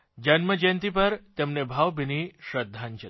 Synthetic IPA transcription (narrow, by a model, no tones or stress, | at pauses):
d͡ʑənməd͡ʑent̪ipəɾt̪emnebʱaʋbiniɕɾəd̪ʱːant͡ʃə